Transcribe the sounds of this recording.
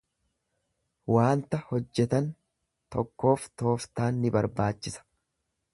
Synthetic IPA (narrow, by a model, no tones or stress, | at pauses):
waːnt̪ɐhɔd͡ʒːɛt̪ɐn | t̪ɔkːo̞ːft̪o̞ːft̪aːnːɪbɐɾbaːt͡ʃːɪsɐ̥